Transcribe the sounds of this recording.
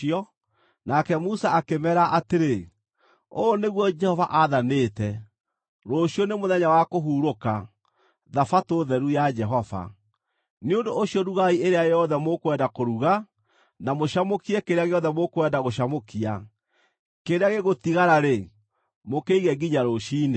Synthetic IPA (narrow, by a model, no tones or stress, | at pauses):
ɔ | nakɛmusaakemɛɾaʔateɾe | oːneɣwɔd͡ʒɛhɔvaʔaðaneːtɛ | ɾoɕjɔnemoðɛɲawakoɦuːɾoka | ðafatoðɛɾujad͡ʒɛɦɔva̰ | neondoːɕijɔɾuɣaieɾeajɔðɛmokwɛdakoɾuɣa | namoʃamokiɛkeɾeaɣeɔðɛmokwɛdaɣoɕamokia | keɾeaɣeɣotiɣaɾaɾe | mokeiɣɛɡiɲaɾoʃiːne